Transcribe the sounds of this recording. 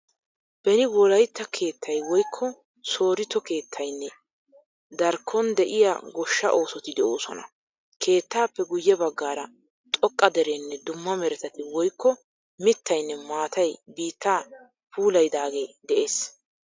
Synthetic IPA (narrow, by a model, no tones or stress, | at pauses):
b̥ɛnɪwɔlɐjt̪ːɐkʰe̞ːt̪ʰːɐjwɔjkʰːɔ | so̞ːɾɪt̪ːɔke̞ːt̪ʰːɐjnːɛ | d̪ɐɾkʰːɔnd̪ɛʔɪja̰ɡɔʃːɐ̰ʔo̞ːsɔt̪ɪd̪ɛʔoːsɔ̰nɐ̰ | kʰe̞ːt̪ːaːpːɛɡʊjːɛbɐɡːaːɾɐ | t̪ʼɔkʼːɐd̪ɛɾenːɛd̪ʊmːɐmɛɾɛt̪ɐt̪ɪwɔjkːɔ | mɪt̪ːɐjnːɛmaːt̪ɐjbiːt̪ːaː | puːlɐjd̪aːɡe̞ːd̪ɛʔe̞ːs